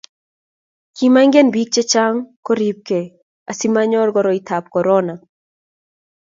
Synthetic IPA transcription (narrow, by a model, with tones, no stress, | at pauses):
ki˨ma˦iŋɡe˦nbi˦k̚t͡ʃɛ˦t͡ʃa˦ŋko˦ɾip̚kɛ | a˨si˦ma˦ɲɔ˦rɡɔɾɔi˨t̪ʰa˨p̚kɔ˨ɾɔna